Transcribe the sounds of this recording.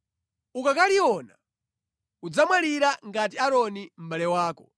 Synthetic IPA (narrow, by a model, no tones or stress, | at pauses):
ukakaliɔːna | ud͡zamwaliɾaŋɡat̬iaɾɔnim̩ɓalɛwaːkɔ